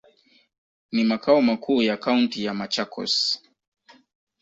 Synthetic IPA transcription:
nimakaɔmakʰuːjakauntijamat͡ʃakʰɔ̰s

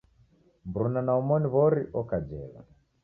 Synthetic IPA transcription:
mbɾunanaɔmɔniβɔɾiʔɔkad͡ʒɛβa̰

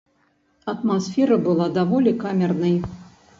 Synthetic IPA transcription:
ɐt̪masfʲɛɾɐbɨlˠad̪avɔlʲikamʲɛrnɐj

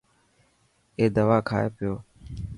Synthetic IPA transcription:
eːd̪əʋaːkʰa̰ːeːpɪjoː

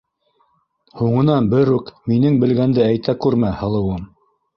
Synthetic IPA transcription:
huɴɤ̆nɑnbɘɾʉkminɘŋbɘ̆lɡænd̪ɘæjt̪ækʉɾmæhɤ̆lˠɤ̆wɤm

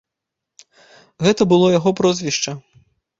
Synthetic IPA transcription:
ɣɛt̪ɐbɨlˠɔjaɣɔpɾɔzʲvʲiʂt͡ʂɐ

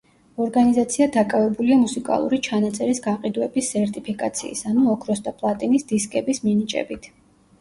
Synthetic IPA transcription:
ɔɾɡanizat̪sʰiad̪akʼavɛbuliamusikʼa̰lˠṵɾit͡ʃʰanat̪sʼɛɾisɡaqʼid̪wɛbisːɛɾt̪ʼipʰikʼat̪sʰḭːsanuɔkʰɾɔsd̪apʼlˠat̪ʼinisd̪̥iskʼɛbisminit͡ʃʼɛ̰bit̪ʰ

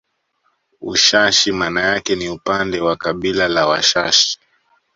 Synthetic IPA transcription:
ṵʃaʃimanajakɛniupandɛwakaɓilalawaʃaʃi̥

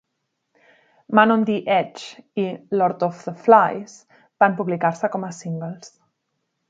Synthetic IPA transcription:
manõnd̪iʔɛt͡ʃilɔɾt̪ɔfðəflajs | bampuβlikaɾsəkɔməsiŋɡəlˠs

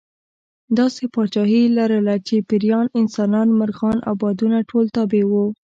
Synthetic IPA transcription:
d̪ɑsepɑt͡ʃɑɦilaɾəlat͡ʃepɪɾjɑnɪnsɑnɑnmaɾɣɑna̰wbɑd̪unaʈʰolt̪ɑbewu

